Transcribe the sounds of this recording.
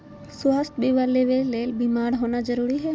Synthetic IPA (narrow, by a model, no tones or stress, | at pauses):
sʊwaːsʈ̪biʋaleʋeleːlbimaːɾɦoːnad͡ʒəɾuːɾiɦɛː